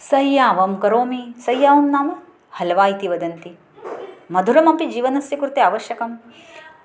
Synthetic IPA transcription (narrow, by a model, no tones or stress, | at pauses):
sɐjːaːʋɐmkɐɾoːmisɐjːaːʋɐmnaːmɐ | hɐlʋaːjit̪iʋɐd̪ɐnt̪i | mɐd̪ʱuɾɐmɐmpid͡ʒiːʋɐnɐsjɐkuɾt̪eaːʋɐʃjɐkɐm